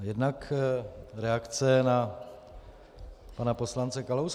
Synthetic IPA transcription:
jɛdnak | ɾɛakt͡sɛna | panapo̞slant͡sɛkalows

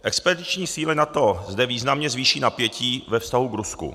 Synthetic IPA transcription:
ʔɛkspɛdɪt͡ʃɲiːsiːlɪnat̪ozdɛviːznamɲɛzviːʃiːnapjɛciːvɛfst̪aɦuɡɾuskṵ

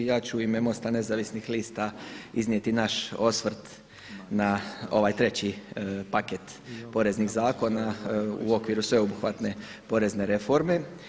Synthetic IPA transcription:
jaːt͡ɕuimemo̞st̪ane̞zaʋisnixliːst̪aiznije̞t̪inaʃo̞sʋɾ̩t̪ | nao̞̰ʋajt̪ɾe̞t͡ɕipaket̪po̞ɾe̞zniɣzaːko̞naṵo̞kʋiɾusʋe̞obuxʋat̪ne̞ | po̞ɾe̞zne̞ɾe̞foɾme̞

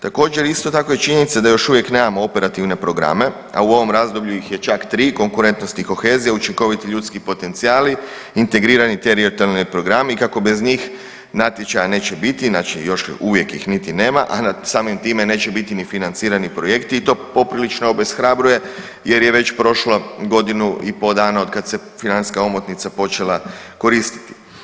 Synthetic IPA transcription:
t̪ako̞ːd͡ʒeɾist̪o̞t̪ako̞jet͡ʃiɲenit̪sad̪ajo̞ʃuʋje̞kne̞ːmamo̞o̞pe̞ɾat̪iʋne̞pɾo̞ɡɾa̰me̞ | a̰uo̞ʋo̞mɾazd̪o̞bʎuixje̞t͡ʃakt̪ɾiːko̞ŋkuɾe̞nt̪no̞st̪iko̞xe̞ːzijeut͡ʃiŋko̞ʋit̪iʎuːt̪skipo̞t̪ent̪siaːli | int̪e̞ɡɾiːɾanit̪e̞ɾiot̪alnojpɾo̞ɡɾameikako̞be̞zɲiːx | nat̪je̞t͡ʃajane̞ːt͡ʃebit̪inaːt͡ʃijo̞ʃuʋje̞kjḭxnit̪ine̞ːmaʔasaːmimt̪iːme̞ne̞ːt͡ɕe̞bit̪inifinant̪siːɾanipɾo̞je̞kt̪iːt̪o̞ːpo̞pɾilit͡ʃnoobesxɾabɾuje̞ | je̞ɾjeʋe̞t͡ɕpɾo̞ʃlo̞ɡo̞d̪inuipo̞d̪aːnao̞d̪̚kad̪se̞finani̥skao̞mot̪nit̪sapo̞t͡ʃe̞lˠako̞ɾiːst̪i̥t̪i̥

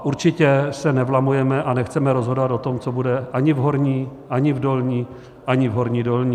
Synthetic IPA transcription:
ʔuɾt͡ʃɪcɛsɛnɛvlamujɛmɛʔanɛxt͡sɛmɛɾo̞zɦo̞dovat̪o̞t̪o̞mt͡sobudɛʔaɲɪvɦo̞ɾɲiːʔaɲɪvdo̞lɲiː | ʔaɲɪvɦo̞ɾɲiːdolɲiː

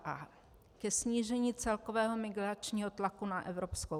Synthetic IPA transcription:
ʔa | kɛsɲiːʒɛɲiːt͡sɛlko̞vɛːɦo̞mɪɡɾat͡ʃɲiːɦo̞t̪lakunaʔɛvɾo̞psko

